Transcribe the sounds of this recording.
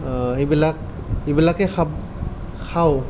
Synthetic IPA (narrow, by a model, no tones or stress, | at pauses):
ebilak̚ | ibilakɛkʰap | kʰaw